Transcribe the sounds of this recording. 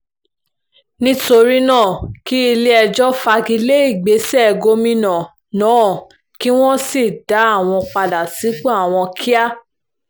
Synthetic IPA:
nĩ˦to˧ɾi˦nãː˦˨ki˦i˧le˦ɛ˧d͡ʒɔ˦fa˧ɡi˧le˦i˦˨ɡ͡be˨˦sɛ˦ɛ˨ɡo˧mĩ˧nã˨ | nã˨˦˨ | ki˦w̃ɔ̃˦si˦˨da˨˦a˦˨w̃ɔ̃˧k͡pa˧da˨si˨˦k͡pɔ˦a˦˨w̃ɔ̃˧kʰi˦a˦

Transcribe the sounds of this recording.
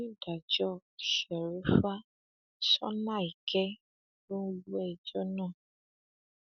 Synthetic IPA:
u˦da˨d͡ʒɔ˦ʃɛ˨ɾu˦fa˦ | sɔ̰˦na˦˨i˨kɛ˦ | lo˦ɛ˦˨d͡ʒɔ˦nãː˦˨

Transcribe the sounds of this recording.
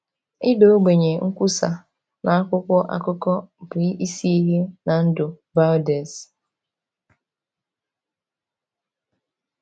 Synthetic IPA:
ɪ˦do˦o˦ɡ͡be˨ɲe˨ŋ̩˦kʷu˦sa̰˨ | na˨a˦kʷʊ˦kʷɔ˦ʔa̰˦kʊ˦kɔ˦bʔi˦si˦i˦ɦe˦na˨n̩˦dʊ˨ | va˦de˨s

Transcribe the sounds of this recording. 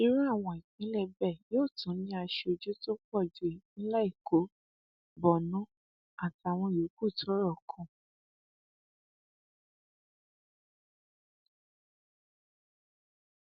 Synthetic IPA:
i˧ɾã˦a˦˨w̃ɔ̃˧i˨kĩ˨˦lɛ˦˨bɛ˦˨joː˦˨tũ˨˦nĩ˦a˧ʃe˧o˧d͡ʒo˦to˦k͡pɔ˦˨d͡ʒu˨e˨nĩ˦la˦i˦˨kʰo˨˦ | bɔ˨nũ˨˦ | a˦˨ti˨˧a˨w̃ɔ̃˧˨o˨˦ku˦˨tɔ˨˦ɾɔ˦˨kʰũ˨

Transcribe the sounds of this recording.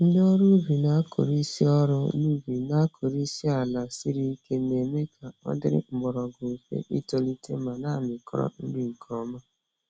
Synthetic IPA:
n̩˦dɔ˦ɾu˦vi˨na˨˦kʰo̰˨ɾi˦si˦ɔ˦ɾʊ˦nu˦vi˨na˨˦kʰo˨ɾi˦si˦a˨la˨si˦ɾi˦ke˦ne˨me˦kʰa˨ɔ̰˦dɪ˦ɾɪ̰˦m̩˨ɡ͡bɔ˨ɾɔ˨ɡo˨fḛ˨ʔḭ˦to˨li˦te˦ma˨na˦˨mɪ˨kʰɔ˦ɾɔ̰˦n̩˦di˦ŋ̩˨kʰɔ˦ma˦

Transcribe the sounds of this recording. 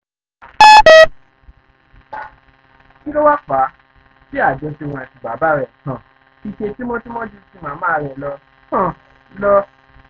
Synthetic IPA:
nĩ˦kɔ˦wa˦k͡pa˨˦ | si˦a˦˨d͡ʒɔ˧si˧w̃ɔ̃˧a˨ti˨ɡ͡ba˨˦ba˦ɾɛ˦˨ã˨ | i˧ʃe˧ti˦mɔ̃˦ti˦mɔ̃˦d͡ʒi˦si˦mã˨˦mã˦˨ɾɛ˨lɔ˧ | ã˨ | lɔ˧

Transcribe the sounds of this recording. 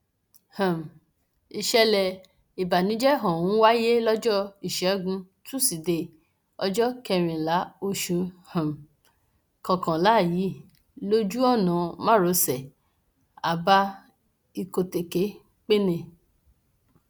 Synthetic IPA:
hã˨m˨ | i˧ʃɛ˧lɛ˧ | i˨ba˨nĩ˨˦d͡ʒɛ˦ɦɔ̃˨wũ˨˦wa˦je˦lɔ˦d͡ʒɔ˦i˨ʃɛ˨˦ɡũ˧˦ | tu˦˨si˨de˧˨ | ɔ̰˧d͡ʒɔ˦kɛ˧ɾ̃ĩ˨la˨˦o˧ʃũ˧hã˨m˨ | kã˨kã˨la˨˦˨ji˨˦˨ | lo˦d͡ʒu˦ɔ˦˨nɔ̃˨mã˦ɾo˧˦sɛ˨ | a˨ba˧ | i˨ko˨te˨ke˨˦ | k͡pe˦nẽ˧˨

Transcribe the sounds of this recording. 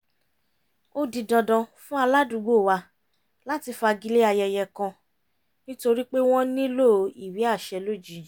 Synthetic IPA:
o˦di˧dɔ̃˧dɔ̃˧fũ˦a˧la˦dũ˨˦ɡ͡bo˦˨wa˧ | la˦ti˧fa˧ɡi˧˦le˦a˧jɛ˧jɛ˧kã˧ | nĩ˦to˧ɾi˦k͡pe˦w̃ɔ̃˦nĩ˦lo˦˨i˦˨wi˨˦a˦˨ʃɛ˧lo˦˨d͡ʒi˨

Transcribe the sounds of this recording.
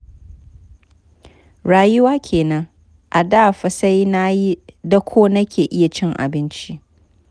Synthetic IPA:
ɽaː˨jʊ˦waː˦kʲʰeː˨nɐ˦ŋ | ʔa˨daː˦˨ɸɐ˨sa˦jna˦ji˦dɐ˦kʷʰoː˦nɐ˦kʲeː˨ʔɪ˦ja˨t͡ʃɪ˦ŋʔa̰˨bɪ˦nt͡ʃi˦ʔ

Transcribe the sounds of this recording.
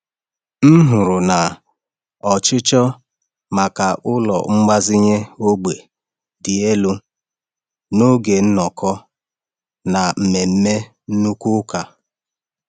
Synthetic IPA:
n̩˦ɦʊ˨ɾʊ˨na˨ | ɔ˨t͡ʃɪ˦t͡ʃɔ˦ | ma˨ka˨ʔʊ˦lɔ̰˨ŋ͡m̩˦ma˦zɪ˦ɲe˦o˦ɡ͡be˨ | dɪ˨e˦lu˦ | no˦ɡe˨n̩˦nɔ˨kɔ˦ | na˨m̩˨me˨m̩˦me˦ | n̩˦nu˦kʊ˦ka˨

